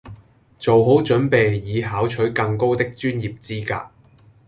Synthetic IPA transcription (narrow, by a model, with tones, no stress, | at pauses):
t͡so˨wɦo˨˥wt͡ʃɵ˨˥npe˨jːiː˨˧ɦaː˨˥wt͡ʃʰɵ˨˥kɐ˧ŋko˥wt̪ɪ˥k̚t͡ʃyː˥njiː˨p̚t͡siː˥ka̰ː˧